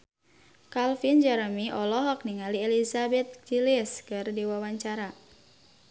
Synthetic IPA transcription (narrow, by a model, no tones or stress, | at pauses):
kalfind͡ʒaɾəmiʔɔlɔɦɔk̚niŋalielizabɛt̪̚d͡ʒilɪskɨrdiwawaɲt͡ʃaɾa